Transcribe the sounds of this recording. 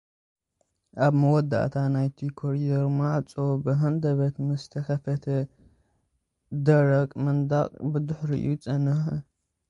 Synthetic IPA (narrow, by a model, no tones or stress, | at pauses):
ʔaβmɐwɔd̪ːa̰ʔt̪ʰanajt̪ʰikʰoɾid̪ɐɾmaʕt͡sʼo̞bɨɦɐnd̪ɐβɐt̪mɨst̪ʰɐxɐfɐt̪ʰɐ | d̪ɐɾɐkʼmɐnd̪a̰qʼbɨd̪ʊħɾḭʔut͡sʼɐnɨx